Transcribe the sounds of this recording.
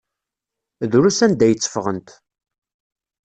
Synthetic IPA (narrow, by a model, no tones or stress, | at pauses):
ðɾusænd̪æjət͡sːə̥fʁənt̪